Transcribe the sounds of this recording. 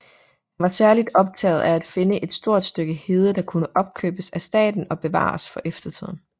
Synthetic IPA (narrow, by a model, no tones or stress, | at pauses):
hænʋɑ̈sæɐlid̥ɒ̽b̥̚t͡sʰɛ̰ːɪð̩ˠææd̥fe̝nəʔe̝d̥sd̥o̝ɐ̰d̥sd̥øɡ̥əhe̝ð̞ˠəd̥ɑ̈kʰunəʔɒ̽b̥̚kʰø̰ːb̥əsæsd̥ɛ̰ːd̥n̩ɒ̽b̥e̝ʋɑ̰̈ːsfɒ̽ʔefd̥ɐt͡sʰið̞̰ˠn̩